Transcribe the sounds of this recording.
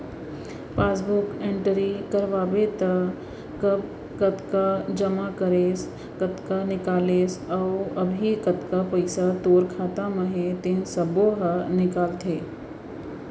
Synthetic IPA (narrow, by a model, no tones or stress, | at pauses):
paːsbʊkẽɳʈəɾikəɾʋaːbet̪ɐ | kɐb̚ | kɐt̪kad͡ʒɐmakəɾeːs | kət̪kanɪkaːleːsɔːɐbʱikɐt̪kapɐɪsat̪oːɾkʰaːt̪aməɦet̪ɪnsəboɦənɪkaːlt̪ʰeː